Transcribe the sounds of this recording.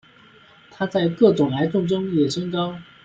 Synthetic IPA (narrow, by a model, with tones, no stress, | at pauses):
t̪ʰa˥t͡sa˥˧ɪkɤ˥˩ʈ͡ʂʊ˨˩ŋla˧˥ɪt̪ʊ˥˩ŋʈ͡ʂʊ˥ŋjɛ˨˩ʂə˥ŋkɑ˥ʊ